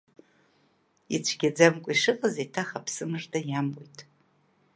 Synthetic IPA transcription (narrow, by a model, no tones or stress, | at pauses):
it͡ɕʷʰɡʲad͡zamkʷʼiʂɨqʼazajtʰaχapʰsɨmʐdajamojtʼ